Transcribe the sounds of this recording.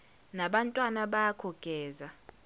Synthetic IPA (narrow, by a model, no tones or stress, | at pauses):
naɓantʼwanaɓakʰɔɡ̥ʱɛːza